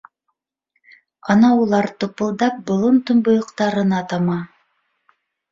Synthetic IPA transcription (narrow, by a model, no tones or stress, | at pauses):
ɑnɑulˠɑɾt̪ŏpɤ̆lˠd̪ɑp̚bŏlˠɤnt̪ŏmbŏjŏqt̪ɑɾɤnɑt̪ɑmɑ